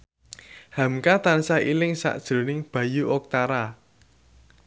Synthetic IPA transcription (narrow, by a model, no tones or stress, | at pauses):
ha̤mkat̪ansailɪŋsa̰ʔd̥ʒ̥ɾo̤nɪŋb̥a̤juʔɔk̚t̪aɾa